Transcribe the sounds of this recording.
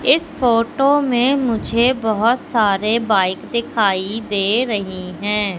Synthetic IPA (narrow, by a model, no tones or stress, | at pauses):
ɪsfoːʈomẽmʊd͡ʒʱebɐɦʊt̪saːɾebaːɪkd̪ɪkʰaːid̪eːɾɐɦiɦɛ̃ː